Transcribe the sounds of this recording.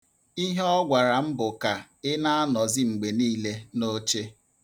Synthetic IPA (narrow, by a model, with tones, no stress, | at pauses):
i˦ɦɔ˦ɡʷa˨ɾa˨m̩˦bʊ˨ka˨ | ɪ˦na˦a˦nɔ˨zɪ˦ŋ͡m̩˨ɡ͡be˨niː˦le˦no˦t͡ʃe˦